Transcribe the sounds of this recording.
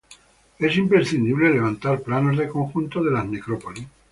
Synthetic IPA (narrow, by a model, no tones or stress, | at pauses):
esimpɾeɾθind̪iβleleβant̪aɾplanozðeko̞ŋxunt̪oðelazmekɾopolis